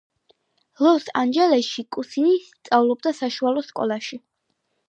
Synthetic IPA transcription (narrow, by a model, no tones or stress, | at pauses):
lˠɔsand͡ʒɛlɛʃikʼusinist̪sʼavlˠɔb̚d̪asaʃualˠɔskʼɔ̰lˠaʃi